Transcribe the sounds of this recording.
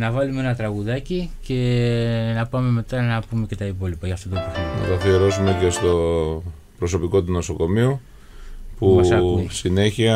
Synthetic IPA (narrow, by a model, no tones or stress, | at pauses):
nɐvɐlumee̞nɐt̪ɾɐɣuðɐcice̞nɐpɐme̞me̞t̪ɐnɐpume̞ce̞t̪ɐipo̞lipɐʝɐft̪o̞t̪oepoçiɐt̪ɐθioɾo̞zume̞ce̞st̪o̞ | pɾo̞so̞piko̞t̪uno̞so̞ko̞miu | puɐsɐsine̞çiɐ